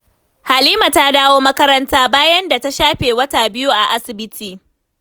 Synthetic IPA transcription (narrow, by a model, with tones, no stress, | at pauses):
ha˨liː˦ma˨ta˦daː˦woː˦mɐ˦kɐ˦ɾɐ˦ntaː˦baː˦jɐ˦nda˨ta˦ʃaː˦ɸeː˨wɐ˦taː˨bɪ˦ju˦ʔa˨ʔa˦sɪ˨bɪ˦tʰiː˨